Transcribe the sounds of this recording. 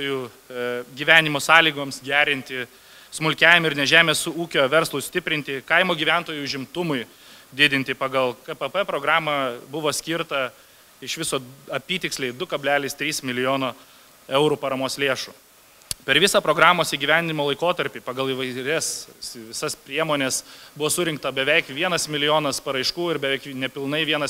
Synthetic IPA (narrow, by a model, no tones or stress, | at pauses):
oːju | ɡʲiːʋʲæːnʲɪmoːsɑːlʲiːɡoːmsɡʲæːɾʲɪnʲt̪ʲɪ | smʊlʲkʲæːʋʲɪmɐɪɾnʲɛʒʲæːmʲeːsuːkʲoːʋʲɛɾslˠʊsʲt̪ʲɪpʲɾʲɪnʲt̪ʲɪkɐɪmoːɡʲiːʋʲæˑnt̪oːjuʊʒʲɪmt̪ʊmʊɪ | d̪ʲɪd̪ʲɪnʲt̪ʲɪpɐɡɐlˠkɐpɛpɛpɾoːɡɾɑːmɐbʊʋoːsʲkʲɪɾt̪ɐ | ɪʃʋʲɪsoːɐpʲiːt̪ʲɪksʲlʲeɪd̪ʊkɐbʲlʲæːlʲiːst̪ʲɾʲiːsmʲɪlʲɪjoːnoː | ɛʊɾuːpɐɾɐmoːslʲeːʃuː | pʲɛɾʋʲɪsɐpɾoːɡɾɑːmoːsiːɡʲiʋʲæˑnd̪ʲɪnʲɪmoːlˠɐɪkoːt̪ɐɾʲpʲiːpɐɡɐlˠiʋɐɪɾʲɛsʋʲɪsɐspʲɾʲiɛmoːnʲesbʊʋoːsʊɾʲɪŋk̚t̪ɐbʲɛʋʲɛɪkʋʲiɛnɐsmʲɪlʲɪjoːnɐspɐɾɐɪʃkuːɪɾbʲɛʋʲɛɪknʲɛpʲɪlˠnɐɪʋʲiɛnɐs